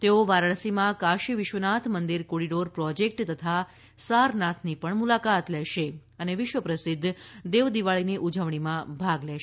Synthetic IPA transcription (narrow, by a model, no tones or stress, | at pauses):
t̪eoʋaɾəɭsimãkaʃiʋɪʃʋənat̪ʰmənd̪iɾkoɽiɖoɾpɾɔd͡ʒek̚ʈt̪ət̪ʰa | saɾnat̪ʰnipəɳmulakat̪lɛʃe | əneʋɪʃʋəpɾəsɪd̪ʱːd̪eʋd̪iʋaɭiniʔud͡ʒəʋɳimãbʱaɡlɛʃ